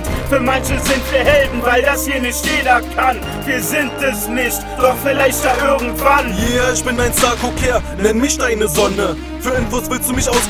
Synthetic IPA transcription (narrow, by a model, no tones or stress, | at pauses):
fyːɐmançəzɪntv̥iːɐɦɛldn̩vaɪldashiːɐnɪçtjeːdɐkʰan | viːɐzɪnt̚d̥ɛsnɪçt | d̥ɔχfɪlaɪçtd̥aːʔɪɐɡŋ̩tv̥anjeːɪçb̥ɪnmaɪnstakʰokʰeːɐ | nɛnmɪçtaɪnəzɔnə | fyːɐɛnvosvɪlstd̥uːmɪçaʊs